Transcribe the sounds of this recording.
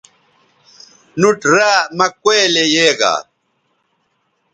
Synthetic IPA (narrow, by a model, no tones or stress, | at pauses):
nuʈɾaːmakweːlejeːɣa̰